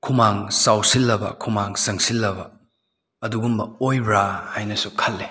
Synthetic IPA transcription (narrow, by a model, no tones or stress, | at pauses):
kʰumaŋsawsilːɐbɐ̰kʰumaŋsɐŋsilːɐbɐ | ɐduɡumbɐojɾahajnɐsukʰɐlːe